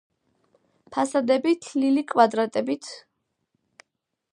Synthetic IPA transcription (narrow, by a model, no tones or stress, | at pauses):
pʰasad̪ɛbit̪ʰlilikʼwad̪ɾat̪ʼɛbit̪ʰ